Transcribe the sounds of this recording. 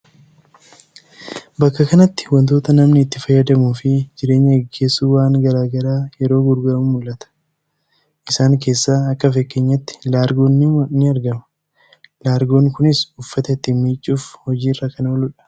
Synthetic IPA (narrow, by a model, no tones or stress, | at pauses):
bɐkːɐkɐnɐt̪ːɪ̥wɔnt̪o̞ːt̪ɐnɐmnɪːt̪ːɪfɐjːɐd̪ɐmuːfɪd͡ʒɪɾe̞ːɲːɐɡɪɡːe̞ːsːuːwaːŋɡɐɾaːɡɐɾaːjɛɾo̞ːɡʊɾɡɐɾɐmʊmʊlːɐt̪ɐ̥ | ʔɪsaːŋke̞ːsːaːɐkːɐfɛkːeɲːɐt̪ːɪ̥laːɾɡo̞ːnːɪwɐnɪɐɾɡɐmɐ̥ | laːɾɡo̞ːŋkʊnɪsʊfːɐt̪ɐɪt̪ːiːnmiːt͡ʃʼːuːfhɔd͡ʒiːrakɐnɐwɔlʊᶑɐ̥